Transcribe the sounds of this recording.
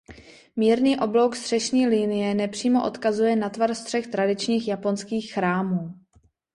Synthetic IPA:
miːɾniːʔo̞blo̞wkst̪r̝̥ɛʃɲiːlinɪjɛnɛpr̝̥iːmo̞ʔo̞̰t̪kazujɛnat̪varst̪r̝̥ɛxt̪ɾadɪt͡ʃɲiːxjapo̞nskiːxːɾaːmuː

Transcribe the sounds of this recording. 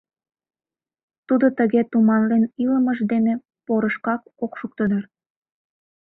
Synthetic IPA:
t̪ud̪ot̪əɣet̪umɑnleniləmə̆ʒd̪ene | poɾəʃkɑkokʃuk̚t̪əd̪ɑr

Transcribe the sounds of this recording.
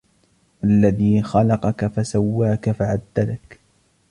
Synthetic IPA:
ʔalːaðiːxɑlɑqɑkafasawːaːkafaʕad̪ːalak

